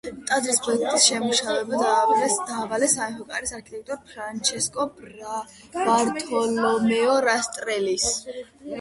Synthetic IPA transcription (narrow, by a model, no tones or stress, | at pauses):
t̪ʼad̪ɾispʰɔɛk̚ʰt̪ʼisʃɛmuʃavɛbad̪aːvɛd̪̥aːvalɛsamɛpɔkʼaɾisaɾkʰit̪ʼɛk̚t̪ʼɔɾpʰɾant͡ʃʰɛskʼɔ | baɾt̪ʼʰɔlɔmɛɔɾast̪ʼɾɛlis